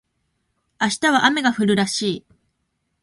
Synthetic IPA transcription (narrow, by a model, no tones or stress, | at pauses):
aɕi̥t̪aβ̞aʔame̞ɡaɸɯ̟ɾɯ̟ɾaɕiː